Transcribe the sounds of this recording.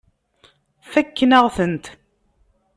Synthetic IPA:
θækːnəʁθənt̪

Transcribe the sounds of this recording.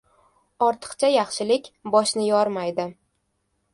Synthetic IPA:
ɒɾt̪ʰɨ̥qt͡ʃʰajaχʃɪlɪkʲbɒʃnɪjɒɾmajd̪ɪ

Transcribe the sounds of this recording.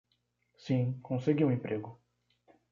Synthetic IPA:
sĩkʰõseɡiũẽmpɾʔeɡʊ

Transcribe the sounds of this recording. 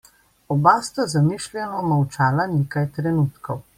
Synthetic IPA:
ɔbast̪azamiʃlʲjɛnɔmawt͡ʃaːlaneːkajt̪ɾɛnuːt̪kɔw

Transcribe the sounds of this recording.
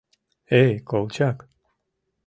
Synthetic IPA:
ekowt͡ʃak

